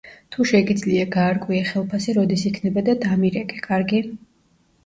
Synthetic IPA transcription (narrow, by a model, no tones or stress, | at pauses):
t̪ʰuʃɛɡid̪zliaɡaːɾkʼwiaχɛlˠpʰasiɾɔd̪isikʰnɛbad̪ad̪amiɾɛkʼɛkʼaɾɡi